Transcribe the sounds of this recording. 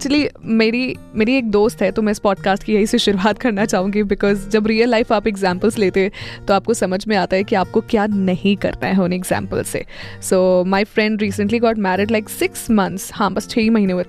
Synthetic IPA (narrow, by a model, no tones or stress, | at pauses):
k̚t͡ʃəlimeːɾi | meːɾieːk̚d̪oːst̪ɦɛt̪omɛ̃ɪspɔːɖ̚kaːsʈkijɐɦiseʃʊɾuaːt̪̚kɐɾnat͡ʃaːɦũːŋɡibɪkɔːzd͡ʒɐbɾiːəlːaɪfaːpɛɡzãːmpəlsleːt̪eɦɛ̃t̪oaːp̚kosɐməd͡ʒʱmẽaːt̪aɦɛkiaːp̚kokjaːnɐhĩkɐ̰ɾt̪aɦɛɦoːneːɡzã̰ːmpə̰lsḛsoːmaːɪfɾɛ̃ɳɖɾiːsə̃ɳʈliɡɔːʈmɛːɾɪɖlaɪksɪksmɐ̃nt̪shãːbɐst͡ʃʰeːimɐɦiːneet̪